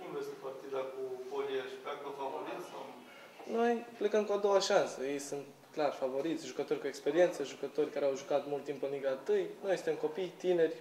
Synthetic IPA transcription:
kumvest̪epart̪id̪akupoljaʃipak̚kafavoɾiasaw | no̞jple̞kəmkuad̪o̞waʃansəje̞jsunt̪ | klarfavo̞ɾit̪sʲʒukət̪o̞rʲkue̞kspe̞ɾie̞nt̪səʒukət̪o̞rʲkaɾeawʒukat̪mult̪ːimpɨniɡat̪ɨjno̞jsɨnt̪emko̞pijt̪ine̞rʲ

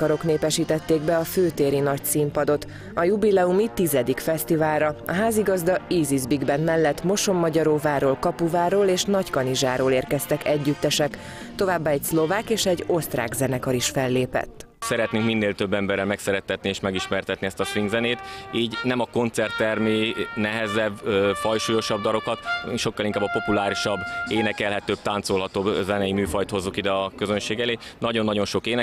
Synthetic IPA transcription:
ɒɾo̞kneːpɛʃiːt̪ɛt̪ːeːɡ̚bɛɒføːt̪eːɾinɒcsimpɒd̪o̞t̪ | ɒjubilɛumit̪izɛd̪ikfɛst̪ivaːlɾɒɒ̰ɦaːziɡɒzd̪ɒiːzizbiɡbɛnmɛlːɛt̪ːmo̞ʃo̞mːɒɟɒɾoːvaːrɾoːlkɒpuvaːɾoːleːʃnɒckɒniʒaːɾoːleːrkɛst̪ɛkɛɟːyt̪ːɛʃɛk | t̪o̞vaːbːaɛcslo̞vaːkeːʃɛɟːo̞st̪ra̰ːɡzɛnɛkɒɾiʃfɛlːeːpɛ̰t̪ː | sɛɾɛt̪niŋkminːeːlt̪ø̞bːɛmbɛrːɛlmɛksɛɾɛt̪ːɛt̪nieːʃmɛɡiʃmɛrt̪ɛt̪niɛst̪ɒsviŋɡzɛneːt̪iːɟnɛmɒko̞nt̪sɛrt̪ːɛrmeːnɛɦɛzɛbfɒjʃuːjo̞ʃɒb̚d̪ɒɾo̞kɒt̪ʃo̞kːɒliŋkaːbɒpo̞pulaːɾiʃɒbːeːnɛkɛlɦɛt̪øːb̚t̪aːnt̪so̞lɦɒt̪obzɛnɛjimyːfɒjt̪ho̞zːukid̪ɛɒkø̞zønʃeːɡɛleːnɒɟo̞nːɒɟo̞nʃo̞keːnɛ

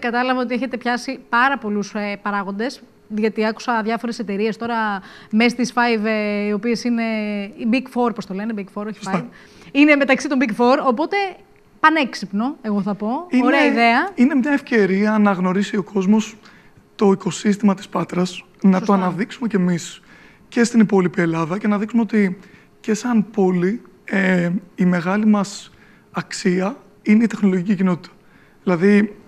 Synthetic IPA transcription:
kɐt̪ɐlɐvɐo̞t̪ieçe̞t̪e̞pçɐsipɐɾɐpo̞luspɐɾɐɣo̞nd̪e̞s | ðʝɐt̪iɐku̥sɐðʝɐfo̞ɾe̞se̞t̪e̞ɾie̞st̪o̞ɾɐmest̪isfajvio̞pie̞sine̞ibikfo̞ɾpo̞st̪o̞le̞nebikfo̞ɾoçi̥sfav | ine̞me̞t̪ɐksit̪ombikfo̞ɾo̞po̞t̪e̞ | pɐneksipno̞e̞ɣoθɐpo̞ioɾeɐiðe̞ɐinemɲɐefce̞ɾiɐnɐɣno̞ɾisio̞ko̞zmo̞s | t̪o̞iko̞sist̪imɐt̪i̥spɐt̪ɾɐs | nɐt̪oɐnɐðiksume̞ce̞mis | ce̞st̪inipo̞lipie̞lɐðɐce̞nɐðiksumeot̪i | ce̞sɐnpo̞li | eːme̞ɣɐlimɐs | ɐksiɐ | ineit̪e̞xno̞loʝicicino̞t̪i̥t̪ɐ̥ | ðilɐði

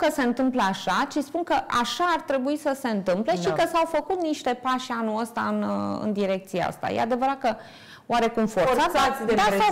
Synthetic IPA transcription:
kəse̞ɨnt̪ɨmpləaʃat͡ʃispunkəʔaʃaːrt̪ɾe̞buisəse̞ɨnt̪ɨmple̞ʃikəsawfəkut̪niʃt̪e̞paʃanuəst̪aɨnɨ̰nd̪iɾe̞k̚t̪sijea̰st̪a̰jḛad̪e̞vəɾat̪̚kə | waɾe̞kumfoɾrsat̪d̪aa

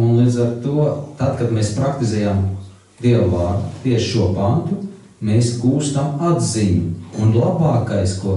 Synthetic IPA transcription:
unlˠiːd̪zaɾt̪uɔt̪ad̪kad̪meːspɾakt̪izɛːjam | d̪iɛwvaːɾd̪t̪iɛʃʃuɔpant̪u | meːsɡuːst̪amad̪ziɲuːnlˠabaːkajskuɔ

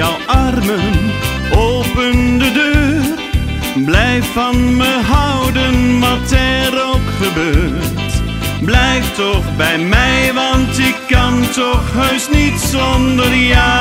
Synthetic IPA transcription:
ɔwʔɑrmən | ʔoːpəndədøːr | blɛjfɑnməɦʌwdənʋɑtɛɾowkχəbøːɹt | blɛjftɔχbɛjmɛjʋɑntɪkːɑntɔχɦøɥsnitsɔndərjaː

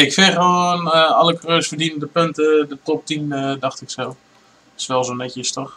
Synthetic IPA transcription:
ɪkfɛxʋoːnalˠəkrøːsfərdinəndəpøntədətɔp̚tinədɑxtɪksɛlˠ | ɪ̥sʋɛlˠsonɛtjəstox

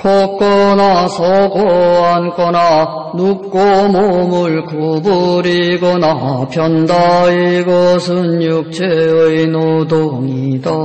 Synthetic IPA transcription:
kʌk͈ʌnasʰʌɡoɦank͈ʌna | nuk̚k͈omomɯɭkobuɾiɡʌnapʰjʌndaiɡʌsʰɯnjuk̚t͡ɕʰeɯjnod̪oŋida

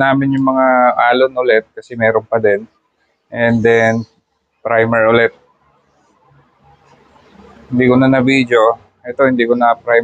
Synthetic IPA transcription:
naːmɪnjʊŋmɐŋaʔaːlonʔʊlɛt̪̚kɐsɛmɛːɾonpɐd̪ɛn | ʔɛnd̪ɛn | pɾajmɛɹʔʊlɛt̪̚ | hɪnd̪iːkonɐnɐviːd̪jo̞ | ʔɛt̪o̞hɪnd̪iːkonɐpɾaj

